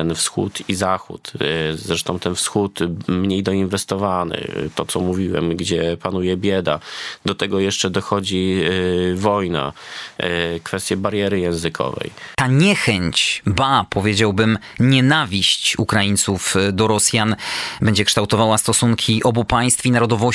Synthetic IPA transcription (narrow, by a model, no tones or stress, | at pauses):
ɛnfsxṵt̪izaxṵt̪zɾɛʂt̪ɔ̃w̃t̪ɛnfsxut̪mːɲejd̪ɔinvɛst̪ɔvanɘ̰t̪ɔt̪sɔmuvʲiwɛ̰mɡd͡ʑɛpanujɛbʲjɛd̪a̰d̪ɔt̪ɛɡɔjɛʂt͡ʂɛd̪ɔxɔd͡ʑi | vɔjna̰ | kfɛst̪ʲjɛbaɾjɛɾɘjɛ̃w̃zɘkʰɔ̰vɛ̰jt̪aɲɛxɛɲt͡ɕbapʰɔvʲjed͡ʑawbɘmɲɛnavʲiɕt͡ɕukɾajint̪sufd̪ɔɾɔsʲjanbɛɲd͡ʑɛkʂt̪awt̪ɔvawast̪ɔsuŋkʲʰiʔɔbupaj̃st̪finaɾɔd̪ɔvɔ